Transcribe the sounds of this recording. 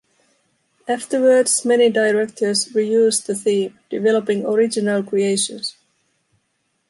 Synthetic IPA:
æftə˞wə˞dz̥mɛnidaɪɹɛk̚tʰə˞zɹijʉːzðəθĩːmd̥ɪvɛləpɪ̃ŋəɹɪd͡ʒɪnəlˠkɹ̥ieɪʃə̰̃ns

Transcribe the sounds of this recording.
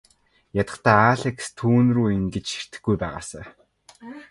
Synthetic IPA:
jat̪ə̆t̪aːaːɮekst̪ʰuːnruːiŋɡet͡ɕʃi̥r̥t̪ɘ̆xɡujpæːʁa̰ːsaː

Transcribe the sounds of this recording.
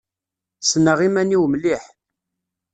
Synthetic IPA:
sənəʁimæniwmliħ

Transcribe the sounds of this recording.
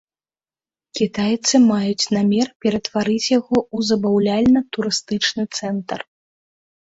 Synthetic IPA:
kʲit̪ajt̪sɨmajut͡sʲnamʲɛrpʲɛɾɐt̪vaɾɨt͡sʲjaɣɔuzɐbawlʲalʲnɐt̪uɾɨst̪ɨt͡ʂnɨt̪sɛnt̪ɐr

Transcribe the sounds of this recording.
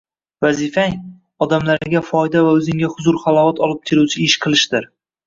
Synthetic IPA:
vazifaŋ | ɒd̪amlaɾɪɡʲafɒjd̪avaɵzɪŋɡʲahʊzʊɾχalˠɒwat̪ɒlˠɪp̚kʲʰeɾuwt͡ʃʰɪɪʃqʰɨlˠɪʃd̪ɪɾ

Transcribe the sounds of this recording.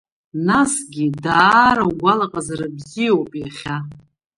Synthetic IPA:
nasɡʲidaːɾaɡʷalaqʼazaɾabzijowpʼjaχʲa

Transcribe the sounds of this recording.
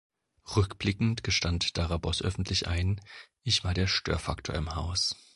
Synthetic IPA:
ʁʏkb̥lɪkŋ̩tɡ̥əʃtantd̥aʁabɔsʔœ̰fn̩tʰlɪçʔa̰ɪnʔɪçv̥aːɐɾeːɐʃtø̰ːɐfaktʰo̰ɐɪmhaʊs

